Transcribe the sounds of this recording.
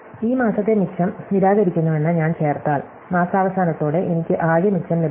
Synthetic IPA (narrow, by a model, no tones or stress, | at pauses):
iːmaːsɐt̪ːemikʂɐmniɾaːɣɐɾikʲːunːɐʋe̞nːɐɲaːnt͡ɕe̞ːrt̪aːɭ | maːsaːʋɐsaːnɐt̪ːoːɽe̞ʔenikʲːɨʔaːjjɐmikʂɐmleb